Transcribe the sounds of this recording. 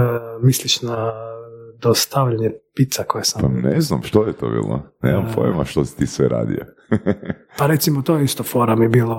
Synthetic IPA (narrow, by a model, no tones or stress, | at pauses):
misliʃna | d̪ost̪aʋʎaɲepit̪sakojesampaneznamʃt̪ojet̪oːbḭːlˠo̰nḛːmampojmaʃt̪osi̥t̪iːsʋeɾa̰ːd̪ḭjo | paɾet̪simot̪ojeist̪ofoɾamiebiːlˠo